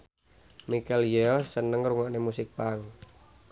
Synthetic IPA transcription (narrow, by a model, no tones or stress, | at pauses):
mikɛljeɔsənəŋruŋɔʔnemusɪk̚paŋ